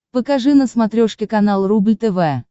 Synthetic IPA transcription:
pəkaʐɨnəsmɐt̪ɾʲoʂkʲɪkɐnalˠrublʲt̪ɛvɛ

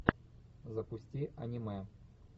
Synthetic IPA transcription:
zɐpʊsʲtʲiʔɐ̰nʲimɛ

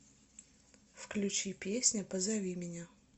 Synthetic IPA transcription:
fklʲʉt͡ɕipʲesʲnʲəpəzɐvʲimʲɪnʲa

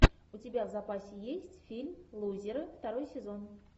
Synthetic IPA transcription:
ʊtʲɪbʲavzapasʲɪjesʲtʲfʲilʲmlˠuzʲɪɾɨft̪aɾo̞jsʲɪzo̞n

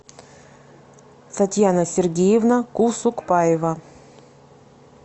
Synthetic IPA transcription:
t̪ɐtʲjanəsʲɪrɡʲejɪvnəkusʊkpajɪvə

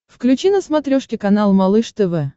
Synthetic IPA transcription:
fklʲʉt͡ɕinəsmɐt̪ɾʲoʂkʲɪkɐnalˠmɐlˠɨʂt̪ɛvɛ

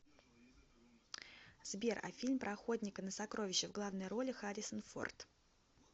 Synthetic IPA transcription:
z̥bʲerɐ̰fʲilʲmpɾʔɐxo̞d̪ʲnʲɪkənəsɐkɾo̞vʲɪɕːɪvɡlˠavnəjɾo̞lʲɪxaɾʲɪsənfo̞̰rt̪

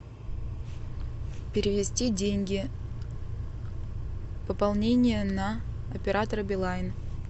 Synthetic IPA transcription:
pʲɪɾʲɪvʲɪsʲtʲidʲenʲɡʲɪ | pəpalˠnʲenʲɪjənɐ | ɐpʲɪɾat̪əɾəbʲɪlˠajɪn

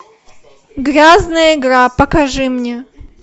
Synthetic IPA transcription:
ɡɾʲaznəjəɪɡɾapəkɐʐɨmnʲe

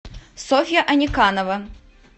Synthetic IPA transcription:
sofʲɪjɐʔɐnʲɪkanɐvɐ

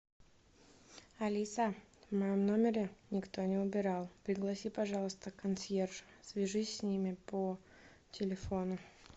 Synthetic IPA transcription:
ɐlʲisavmɐjomno̞mʲɪɾʲɪnʲɪkt̪o̞nʲɪʊbʲɪɾɑlˠpɾʲɪɡlˠɐsʲipɐʐɑlˠəst̪əkɐnsjerʐʊsvʲɪʐɨsʲːnʲimʲɪpə | tʲɪlʲɪfo̞nʊ

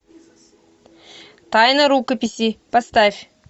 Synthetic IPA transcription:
t̪ajnəɾukəpʲisʲipast̪afʲ

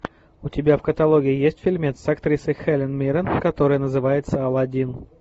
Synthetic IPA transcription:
ʊtʲɪbʲafkət̪alˠoɡʲɪɪjesʲtʲfʲɪlʲmʲet̪sɐkt̪ɾʲisɨjxɛlʲɪnmʲeɾʲənkɐt̪o̞ɾɨjənəzɨvajɪt̪səɐlˠɐdʲin

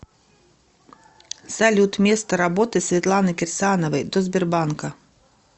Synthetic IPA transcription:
salʲut̪mʲɛst̪ɐɾabɔt̪ɨsʲvʲɛt̪lˠanɨkʲɛrsʲanɐvɐjd̪ɔzʲbʲɛrbankɐ

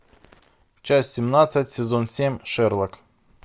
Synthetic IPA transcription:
t͡ɕasʲsʲɪmnat̪sətʲsʲɪzonsʲemʲʂɛrlˠɐk

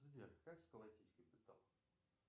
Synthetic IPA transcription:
zvʲerxkakskəlˠɐtʲijskʲəjpɨt̪alˠ

